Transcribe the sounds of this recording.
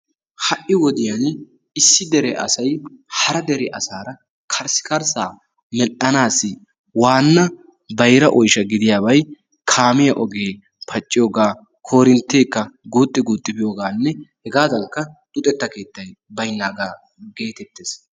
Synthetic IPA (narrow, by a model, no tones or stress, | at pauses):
hɐʔɪwɔd̪ɪjan | ɪsːɪd̪ɛɾɛʔɐ̰sɐjhɐɾɐd̪ɛɾɛʔɐsaːɾɐ | kʰɐɾsɪ̥kɐɾsaː | mɛʔɐnaːsːɪ | waːnːɐ | bɐjɾɐʔɔjʃɐɡɪd̪ɪjaːbɐj | kʰaːmɪjɐʔɔɡeː | pʰɐt͡ʃʼːɪjoːɡaː | kʰo̞ːɾɪnt̪ːe̞ːkːɐɡuːt̪ʼːɪɡuːt̪ʼːɪbɪjoːɡaːnːɛhɛɡaːd̪ɐŋkːɐd̪ʼʊt̪ʼɛt̪ːɐke̞ːt̪ːɐjbɐjnːaːɡaː | ɡe̞ːt̪ɛt̪ːeːs